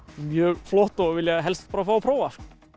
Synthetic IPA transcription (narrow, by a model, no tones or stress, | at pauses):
mjœːɣflɔht̪avɪljaɦɛlst̪paːɾafaːwpʰɾoːwvask